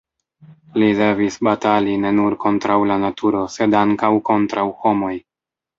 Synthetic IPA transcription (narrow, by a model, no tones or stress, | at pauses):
lide̞visbataline̞nuɾko̞ntɾawlanatʰuɾo̞se̞daŋkawko̞ntɾawho̞mo̞j